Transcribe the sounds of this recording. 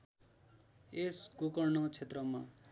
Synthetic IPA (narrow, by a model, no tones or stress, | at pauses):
esɡokʌrnʌt͡sʰet̪rʌma